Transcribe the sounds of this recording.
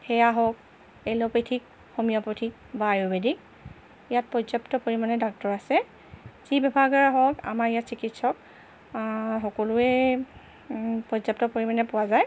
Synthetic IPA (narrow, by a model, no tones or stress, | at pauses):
hɛjaɦɔk̚ | elɔpetʰik̚ | xomijɔpotʰik̚baːɹubedik̚ | ijat̚pɔzaptɔpoɹimanɛdak̚tɔɹasɛ | z̥ibɛbʱaɡɔɹɦɔka̰maɹijatsikitsɔk | ɦɔkɔlʊɛ | pɹɔzap̚tɔpoɹimanɛpʊwazaj